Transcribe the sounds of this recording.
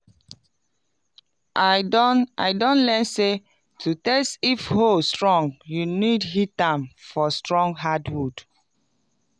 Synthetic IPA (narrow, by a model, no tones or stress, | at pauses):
ʔadna̰ɪdɔ̃nlɛnse | tʰutɛstifhostɹɔ̃ŋɡjunidhitãmfɔstɹɔ̃ŋɡɦadhud̥